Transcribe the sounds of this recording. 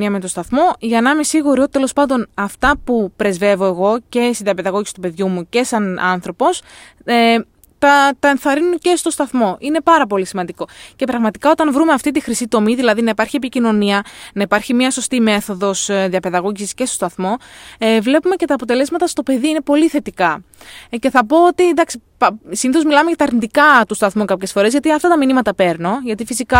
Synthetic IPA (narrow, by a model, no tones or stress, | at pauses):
iɐme̞t̪o̞st̪ɐθmo̞ʝɐnɐmesiɣuɾio̞t̪it̪e̞lospɐnd̪o̞nɐft̪ɐpupɾe̞zve̞vo̞e̞ɣo̞ce̞st̪iðiɐpe̞ðɐɣo̞ʝisi̥t̪upe̞ðʝumuce̞sɐnɐnθɾo̞po̞s | t̪ɐt̪ɐe̞nθɐɾinunce̞st̪o̞st̪ɐθmo̞ʔine̞pɐɾɐp̬o̞lisimɐnd̪iko̞ce̞pɾɐɣmɐt̪ikɐo̞t̪ɐnvɾumeɐft̪it̪ixɾisit̪o̞miðilɐðinɐipɐɾçie̞picino̞niɐnɐipɐɾçimɲɐso̞st̪ime̞θo̞ðo̞sðiɐpe̞ðɐɣoʝisiscestost̪ɐθmo̞vle̞pume̞ce̞t̪ɐːpo̞t̪e̞le̞zmɐt̪ɐst̪o̞pe̞ðiine̞po̞liθe̞t̪ikɐce̞θɐpo̞ot̪id̪ɐksi | psiniθo̞zmilɐmeʝɐt̪ɐɾnit̪ikɐt̪ust̪ɐθmukɐpçe̞sfo̞ɾe̞zʝɐt̪iɐft̪ɐt̪ɐminimɐt̪ɐpe̞ɾnoʝɐt̪ifisikɐ